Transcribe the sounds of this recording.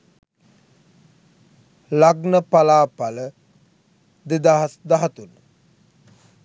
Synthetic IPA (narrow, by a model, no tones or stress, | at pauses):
laɡnəpalaːpalə | d̪ed̪aɦasd̪aɦat̪unːə